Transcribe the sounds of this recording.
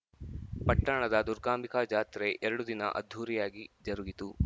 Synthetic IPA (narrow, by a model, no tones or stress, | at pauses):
pɐʈːɐɳɐd̪ɐd̪uɾɡaːmikad͡ʒaːt̪ɾeʔɛɾɐɽud̪inɐ̰ʔɐ̰d̪ʱːuːɾijaːɡid͡ʒɐɾuɡit̪u